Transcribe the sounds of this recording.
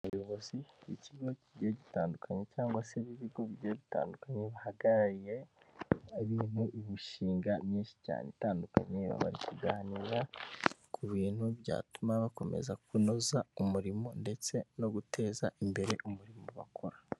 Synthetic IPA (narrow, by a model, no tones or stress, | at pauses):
βujo̞βoziβiciɡociɾɟioɟitaːndukʰaɲe̞caːŋɡwaseβiβiɡo̞βiɾɟooβita̰ːndukaɲe̞βahaɡaɾaɾije̞ | aβiːnhuʔiβuʃiːŋɡamɲiːnʃi̥ca̰ːnetaːnduka̰ɲeβa̰βa̰ɾikuɡaːniːɾakʰuβiːn̥huβja̰ːtumaβako̞me̞̰zakuno̞zaumuɾimo̞nde̞t͡se̞no̞ɡutʰe̞ːzaʔimbe̞ɾe̞ʔumuɾimoβa̰kʰoɾa